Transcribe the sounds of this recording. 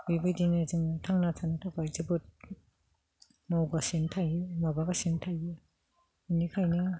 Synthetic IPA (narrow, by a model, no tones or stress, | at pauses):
bibidinezɯŋtʰaŋnatʰanɯtʰakʰazebɯt̚ | mawɡasentʰajɯmabaɡasintʰajɯ | inikʰajnɯ